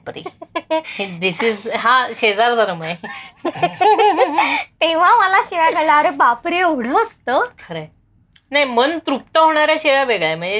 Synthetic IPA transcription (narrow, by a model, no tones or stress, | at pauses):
pɾḭ | d̪isizɦaɕed͡zaɾd̪əɾməe | t̪eʋ̤aməlaɕeʋaɡəɭaəɾebapɾioɽ̤əəst̪əːkʰəɾe | najmənt̪ɾup̚t̪əɦoɽ̃ɳ̃aɾjaɕeʋjaʋeɡɭaem̤əɳd͡ze